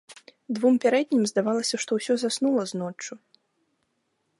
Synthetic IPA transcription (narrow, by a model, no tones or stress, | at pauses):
d̪vumpʲaɾɛd̪ʲnʲimzd̪avalˠɐsʲɐʂt̪ɔwsʲɔzasnulˠɐznɔt͡ʂːu